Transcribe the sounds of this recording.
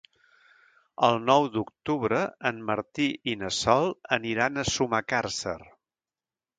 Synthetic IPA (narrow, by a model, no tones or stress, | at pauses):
əlˠnɔwd̪uk̚t̪uβɾəənməɾt̪iʔinəsɔlˠəniɾanəsumakarsə̰r